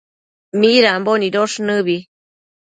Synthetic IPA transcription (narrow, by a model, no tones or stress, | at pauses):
miɾamboniɾoʂnɨβi